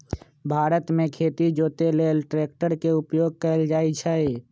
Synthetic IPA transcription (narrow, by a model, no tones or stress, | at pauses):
bʱaːɾət̪mẽkʰeːt̪id͡ʒoːt̪eleːlʈɾeːk̚ʈəɾkeʊpjoːɡ̚kəld͡ʒaːit͡ʃʰɛ